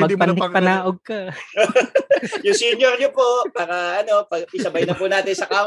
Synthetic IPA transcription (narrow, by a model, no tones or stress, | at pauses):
mɐɡpɐnd̪ɪpɐnaːʔoɡ̚kɐ | jʊŋsiɲjoɾɲopoʔpaːɾɐʔɐno̞pɐɡɪsɐbɐjnɐpuʔnaːt̪ɪnsɐkaː